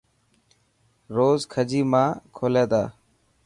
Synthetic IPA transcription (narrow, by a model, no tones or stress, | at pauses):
ɾoːzkʰəd͡ʒiːmãːkʰoːleːd̪aː